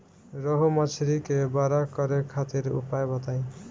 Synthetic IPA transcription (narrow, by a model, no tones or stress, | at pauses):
ɾɔɦumʌt͡ʃʰɾikebaɾakʌɾekʰat̪iɾṵpajbʌt̪aj̃